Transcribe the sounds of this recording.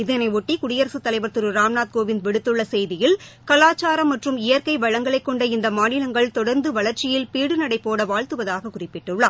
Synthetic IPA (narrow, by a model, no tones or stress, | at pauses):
ɪðɐnɐɪɔʈːikʊɽɪjɐɾɐsɯt̪ːɐlɐɪʋɐɾt̪ɯɾɯɾaːmnaːt̪̚koːʋɪnd̪ʋɛɽɯt̪ːɯɭːɐsɛjðɪjɪlkɐlaːt͡ʃːaːɾɐmːɐʈrɯmɪjɐɾkɐɪʋɐɻɐŋɡɐɭɐɪkːɔɳɖɐɪnd̪ɐmaːnɪlɐŋɡɐɭt̪ɔɽɐɾnd̪ɯʋɐɭɐɾt͡ʃɪjɪlpiːɽɯnɐɽɐɪpːoːɽɐʋaːɻt̪ɯʋɐðaːɣɐkʊrɪpːɪʈːɯɭːɐ